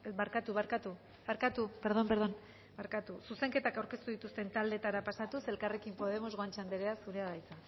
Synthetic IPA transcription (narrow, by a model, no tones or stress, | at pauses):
baɾkat̪uβaɾkat̪u | βaɾkat̪ube̞ɾðo̞mbeɾðo̞n | baɾkat̪ususe̞ŋke̞t̪akawɾke̞st̪uð̞it̪ust̪e̞nt̪ald̪e̞t̪aɾapasat̪use̞lkare̞kimpo̞ð̞e̞mo̞zɣoant͡ʃand̪eɾeasuɾeaβajt͡sa